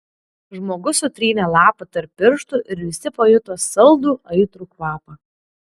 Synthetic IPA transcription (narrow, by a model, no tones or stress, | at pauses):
ʒmoːɡʊsʊt̪ʲɾʲiːnʲɛlˠɑːpɐt̪ɐɾpʲːɪɾʃt̪ʊʔɪɾʋʲɪsʲɪpɐjʊt̪oːsɐlˠd̪uːʔɐɪt̪ɾuːkʋɑːpɐ